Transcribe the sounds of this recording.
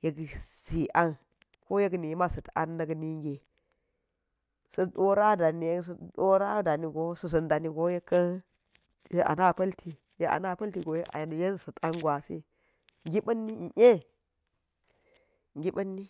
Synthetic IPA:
je˦ɡsi˨ʔa˦n | ko˦je˦ɡni˨jma˦sɐ˨ta̰˦nːɐ˦ɡni˦ŋ˦ɡe˨ | sɐ˦˨ɗo˦ɾa˦da˨ni˨jsɗo˦ɾa˦da˨ni˨ɡo˦sɐ˦s̬ɐ˨nda˨ni˦ɡo˦je˦kːɐ˦n | je˦ʔa̰˨na˦˨pɐ˦ltʰi˨ | je˦ʔa̰˨na˦pɐ˦lti˨ɡo˨je˦ʔa̰˨jn˨je˦n˦sɐ˨ta˦ŋɡwʷa˨sḭ˦ | ŋɡi˦ɓɐ˦nːi˦i˨ʔe˦ | ŋɡʲi˦ɓɐ˦nːi˦

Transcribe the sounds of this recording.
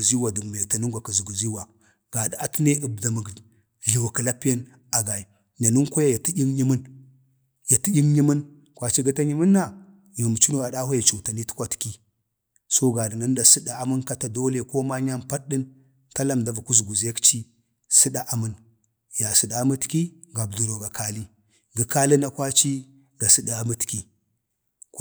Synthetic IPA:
zi˦wa˨du˨ɡm˨ta˨nu˦ŋɡʷa˨kə˨zu˨ɡu˨zi˦wa˨ | ɡ̥a˨da˨a˦ti˦ne˦ə˨bda˨mə˨ɡ | ɮi˨wa˨kə˨la˦pi˦ja˦n | a˨ɡa˨i˨ | ɲa˨nu˦ŋko˦ja˦ja˨ti˦i˦ŋɲi˦mə˦n | ja˨ti˦jʲi˦ŋɲi˦mə˦n | kʷa˨t͡ʃi˦ɡa˦ta˦ɲi˦mə˦nːa˨ | ja˨mu˨t͡ʃi˦no˦˨a˨ɗa˦ha˦ja˨t͡ʃu˨ta˨ni˦ti̥˦kʷa˦ti̥˨ki˦ | so˦ɡa˨də˨na˦n˦da˨si˦da˨a˨mu˦nka˦ta˨do˦le˨ko˦ma˦ɲa˦mpa˦ɗi˦n | ta˦la˦mda˨va˨ku˦s̬ɡu˨ze˦kt͡ʃi˦ | sɨ˦da˦ʔa˨mə˦n | ja˨si˨da˦mə˦tki˦ | ɡa˨bdu˨ɾo˨ɡa˨kʰa˦li˦ | ɡə˨ka˦li˦na˦kwa˦t͡ʃi˦ | ɡa˨si˦da˦mə˦tki˦

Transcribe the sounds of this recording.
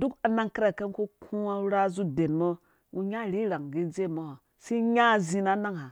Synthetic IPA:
du˦ka˨na˦ŋke˦ɾa˨ke˦nku˦kʰũ˦a˦u˦ɾa˦zu˦de˨nmo˦ | u˦ɲa˦˨ɾi˦ɾa˨ŋɡi˦d͡ze˦˨mo˦ho˨ | si˦ɲa˦˨zi˨na˦na˦ŋha˨

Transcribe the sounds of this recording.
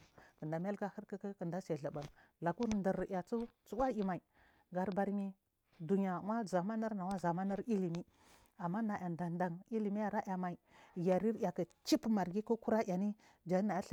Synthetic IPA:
kə˨nda˨m˦a˦lka˦ə˦ɾka˦ka˦kə˨nda˦sa˨ɮa˨ba˨l | la˨ku˦ɾndə˨ɾja˨t͡su˦t͡su˦wa˦i˨ma˨i˨ | ɡa˨ɾba˨ɾmi˦ | du˨ɲa˨wa˦za˨ma˦na˦ɾna˨wa˦za˨ma˦na˦ɾi˦li˨mi˦ | a˨mːa˦na˨ja˨nda˨nda˨ŋi˦li˨mi˦ja˨ɾa˦ʔa˨ma˨i˨ja˨ɾi˦ɾa˨ka˨t͡ʃi˦pma˨ɾɡi˦ku˦ku˦ɾa˦ja˨ni˦ | d͡ʒa˨˦na˨ja˦ɬ

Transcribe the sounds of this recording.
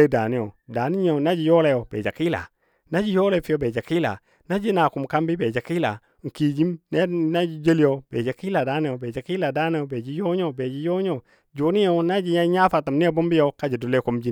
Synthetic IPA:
e˦da˨ni˦jo˨da˨ni˦ɲ˦o˨na˦d͡ʒi˨jo˦le˦jo˨bḛ˨d͡ʒa˨ki˦la̰˨ | na˦d͡ʒi˦jo˦le˦fi˦jo˨˦be˨d͡ʒa˨ki˦la̰˨ | na˦d͡ʒi˦na˨ku˨mka˦mbi˦be˨d͡ʒa˨ki˦la̰˨ | ŋ̩˨ki˨d͡ʒi˦mn˦na˦d͡ʒi˦d͡ʒe˦li˦jo˨bḛ˨d͡ʒa˨ki˦la˨da˨˦ni˦o˨be˨d͡ʒa˨ki˦la˨da˦ni˦jo˨be˨d͡ʒi˦jo˦ɲ˦o˦be˨d͡ʒi˦jo˦ɲo˦˨ | d͡ʒo˨˦ni˦jo˦na˦d͡ʒi˨ɲa˦ɲa˦fa˨ta˨mn˦bu˦mbi˦jo˨ka˦d͡ʒi˨du˨le˦ku˨˦md͡ʒi˦

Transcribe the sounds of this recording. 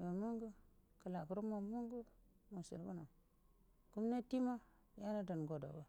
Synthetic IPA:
be˨mu˦ŋɡu˦kə˨la˨ku˨ɾu˦mo˨mu˦ŋɡu˦mo˨sḭ˨lbu˦na˨ | ku˦mna˦ti˦ma˦ | ja˦na˦da˨nɡo˨do̰˨bo˨

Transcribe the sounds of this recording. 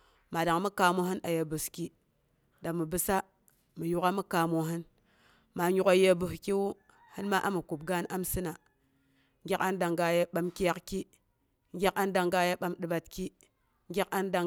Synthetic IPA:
ma˨da˨ŋmu˦ka˨mo˦hɨ˦na˨je˨bu˨ski˦ | da˨ŋmə˨bɨ˦sa˦ | mɨ˨ju˦ka˦mu˦ka˨mo˨ɦɨ˦n | ma˨ɲu˦ka˨je˦bu˨hki˦wu˦ | hɨ˦nma˦ʔa˦mu˨ku˨b̚ɡa˦na˦msɨ˦na˨ | ŋɡʲa˦ka˦nda˨ŋɡa˨ja˦ɓa˦mki˦ja˦kki˦ | ŋ˦ɡʲa˦ka˦nda˨ŋɡa˦ja˦ɓa˦mdɨ˨ba˨tki˦ | ŋ˦ɡʲa˦ka˦nda˨

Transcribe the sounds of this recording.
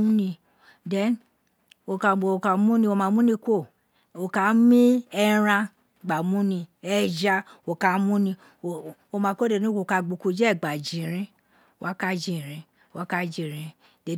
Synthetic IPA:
u˦nĩ˧ | dɛ˨˦n | o˧ka˧o˨o˧˨ka˧˦mũ˦nĩ˧o˧mã˧mũ˦nĩ˧kʷo˦˨ | o˧ka˨˦mĩ˦ɛ˧ɾã˧ | ɡ͡ba˨mũ˦nĩ˧ɛ˧d͡ʒa˧o˨ka˨˦mũ˦nĩ˧ | o˧˨o˧mã˧ko˦de˦˧nĩ˦ko˨ka˧ɡ͡bo˨˧ku˧d͡ʒɛ˦˨ɡ͡ba˨d͡ʒĩ˨ɾĩ˨˦ | wa˦ka˦d͡ʒĩ˦˧˨ɾĩ˧˦ | wa˦ka˦d͡ʒi˧˨ɾĩ˨˧ | dɛ˨˧˦

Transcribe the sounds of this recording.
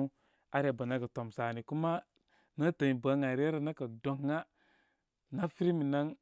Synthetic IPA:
u˦ | a˦ɾa˨ba˨na˦ɡa˨to˨msa˨ni˨ku˦ma˦ | na˦ta˨ɲi˨ba˨˦ŋa˨ɾe˦ɾa˨na˦ka˨do˨ŋːa˦ | na˦fi˦ɾi˦mi˨na˦ŋ

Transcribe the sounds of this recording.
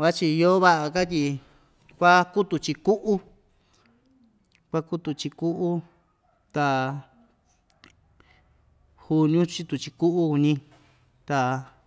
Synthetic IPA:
a˦t͡ʃi˧jo˦βa˦ʔa˧ka˦t̪̬ʲi˧ | kʷa˦ku˦t̪u˧˨t͡ʃi˧ku˦ʔu˦ | kʷa˦ku˦t̪u˧t͡ʃi˧ku˦ʔu˦ | t̪a˧ | hu˧nũ˦t͡ʃi˦t̪u˨t͡ʃi˧ku˦ʔu˦ku˧nĩ˧ | t̪a˨

